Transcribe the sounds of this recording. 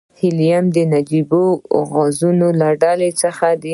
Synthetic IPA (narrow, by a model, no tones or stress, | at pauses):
hɪlijamd̪ənad͡ʒiboɣɑzunolaɖalet͡səxad̪ə